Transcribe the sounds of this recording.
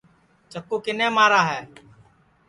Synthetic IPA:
t͡ʃəkːoːkɪnẽːmaːɾaːɦɛː

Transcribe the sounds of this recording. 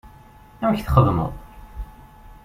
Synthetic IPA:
æwçθχəðˤmə̰ðˤ

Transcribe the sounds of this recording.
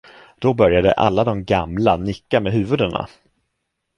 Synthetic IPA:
d̪̥ɔbœɾjad̪ə̰ʔa̰lːad̪ɔmɡamlanɪkːameːɦʉ̟ːvɵd̪əna̰

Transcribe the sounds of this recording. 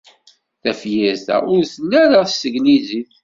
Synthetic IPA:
θæfjæzæ̰ʊɾθənːæɾaθsəɡniziθ

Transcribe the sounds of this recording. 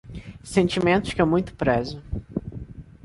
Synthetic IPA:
sẽnt͡ʃimẽnt̪ʊ̥ʃkɪewmũj̃t̪ʊ̥pɾezʊ

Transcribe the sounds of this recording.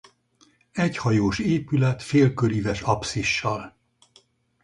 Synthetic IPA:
ɛchɒjoːʃeːpylɛt̪feːlkøɾivɛʃɒpsiʃːɒl

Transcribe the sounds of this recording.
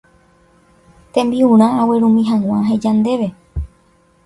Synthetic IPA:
t̪ẽ̞mbiũɾ̃ãaweɾũmĩɦãw̃ãɦẽd͡ʒand̪e̞ʋe̞

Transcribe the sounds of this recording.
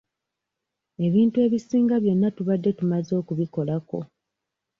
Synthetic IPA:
e̞βiːntue̞ːβisiːŋɡaβjo̞nːatuβadːe̞tumazo̞ːkuβiko̞lako̞̰

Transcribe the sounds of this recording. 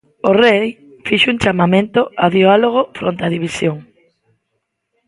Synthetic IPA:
orej | fiʃʊuŋt͡ʃamamẽnt̪oaðialoɣ̞ofɾo̰nt̪aðiβisjoŋ

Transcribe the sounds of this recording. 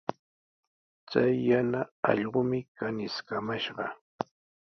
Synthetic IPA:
t͡sajːanaɑ̰ʎɢʊmɪkanɪskamaʃɢɑ̰

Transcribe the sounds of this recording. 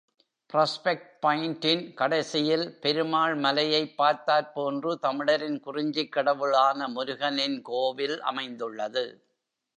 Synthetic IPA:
pɪɾɐːspɛk̚ʈ̚pɐjɪnʈɪnkɐɽɐɪsɪjɪlpɛɾɯmaːɭmɐlɐjɐɪpːaːɾt̪aːɾpoːndrɯt̪ɐmɪɽɐɾɪnkʊrɪɲd͡ʒɪkːɐɽɐʋɯɭaːnɐmʊɾʊɣɐnɪnkoːʋɪlʔɐ̰mɐɪnd̪ɯɭːɐðɯ

